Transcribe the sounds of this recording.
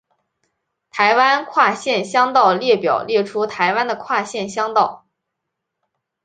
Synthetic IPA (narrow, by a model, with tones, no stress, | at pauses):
t̪ʰa˧˥ɪwa˥nkʰwa˥˧ɕjɛ˥˧nɕjɑ˥ŋt̪ɑ˥˧ʊljɛ˥˩pjɑ˨˩ʊljɛ˥˩ʈ͡ʂʰu˥t̪ʰa˧˥ɪwa˥nd̪ə˨kʰwa˥˧ɕjɛ˥˩nɕjɑ˥ŋt̪ɑ˥˩ʊ